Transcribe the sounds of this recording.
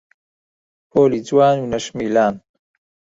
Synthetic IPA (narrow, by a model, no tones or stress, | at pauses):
poːlid͡zwaːnunɐʃmiːlaːn